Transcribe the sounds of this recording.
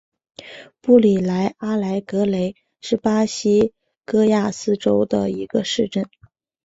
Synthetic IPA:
pu˥˩li˨˩la˧˥ɪa˥la˧˥ɪkɤ˧˥le˧˥ɪ | ʂɻ̩˥˩pa˥ɕi˥ | kɤ˥ja˥˩sɹ̩˥ʈ͡ʂo˥ʊd̪ə̰˨i˧˥ɡə˧ʂɻ̩˥˧ʈ͡ʂə˥˩n

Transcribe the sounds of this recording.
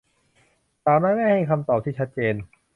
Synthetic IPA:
t̪aː˨˩naː˦˥jma˥˩jha˥˩jkʰa˧mt̪ɔː˨˩p̚t̪ʰiː˥˩t͡ɕʰa˦˥t̪̚t͡ɕeː˧n

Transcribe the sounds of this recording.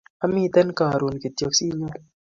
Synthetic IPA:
a˦mi˦˨t̪ɛ˦nka˨ɾo˨nki˨t̪jɔ˨ksi˦ɲu˦

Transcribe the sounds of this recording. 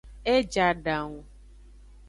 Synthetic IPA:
ɛ˦d͡ʒa˨ɖã˨ŋu˨

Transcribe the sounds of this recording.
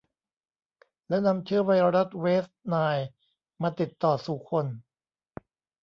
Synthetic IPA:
lɛ˦˥wna˧mt͡ɕʰɯ˦˥ɐwa˧jɾa˦˥t̪̚weː˦˥st̪̚naː˧j | maː˧t̪i˨˩t̪ːɔː˨˩suː˨˩kʰo˧n

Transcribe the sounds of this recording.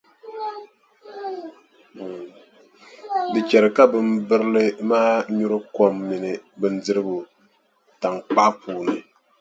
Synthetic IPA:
dɨ˨t͡ʃɛ˨ɾɨ˨ka˦bɨ˦mbɨ˦ɾɨ˦lɨ˦maː˦ɲu˦ɾɨ˦ko˦mːi˨nɨ˨bɨ˦n̩˦dɨ˦ɾɨ˦bu˨ | ta˨ŋk͡pa˦pʰuː˨nɨ˨

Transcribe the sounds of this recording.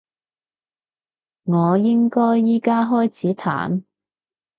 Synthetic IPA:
ŋɔː˨˧jɪ˥ŋkɔː˥jːiː˥kaː˥ɦɔː˥jt͡sʰiː˨˥t̪ʰa̰ː˨˩n

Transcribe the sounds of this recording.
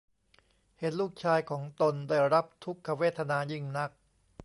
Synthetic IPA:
he˩˦nluː˥˩k̚t͡ɕʰaː˧jkʰɔː˩˦ŋt̪o˧ndaː˥˩jɾa˦˥p̚t̪ʰu˦˥kʰːa˧weː˥˩t̪ʰːa˧naː˧jɯ˥˩ŋna˦˥k̚

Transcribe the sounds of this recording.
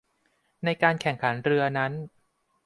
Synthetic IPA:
na˧jkaː˧nkʰɛ˨˩ŋkʰa˩˦nɾɯ˧ɐna˦˥n

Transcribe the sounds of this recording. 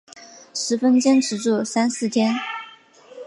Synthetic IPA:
ʂɻ̩˧˥fə˥nt͡ɕjɛ˥nʈ͡ʂɻ̩˧˥ʈ͡ʂu˥˩sa˥nsɹ̩˥˩t̪ʰjɛ˥n

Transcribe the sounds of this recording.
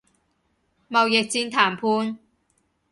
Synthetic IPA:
mɐ˨wjɪ˨k̚t͡siː˧nt̪ʰaː˨˩mpʰuː˧n

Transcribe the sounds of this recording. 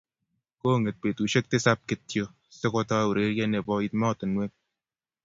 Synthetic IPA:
ko˦˨ŋe˨t̚pe˨tu˨ʃe˦k̚tɪ˦sa˦p̚kɪ˦tjo˦ | se˦ko˧tɔ˦u˨ɾe˦ɾjɛ˦ne˨pɔ˦i˦tmɔ˦˨tɪ˨nwe˦

